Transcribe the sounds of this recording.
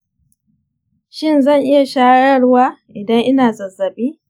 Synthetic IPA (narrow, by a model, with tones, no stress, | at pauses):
ʃɪ˦˨nzɐ˦˨ŋʔɪ˦ja˨ʃaː˦ɽɐ˦ɽwaː˦ʔɪ˨dɐ˦ŋʔɪ˦naː˨zɐ˨zːɐ˨biː˦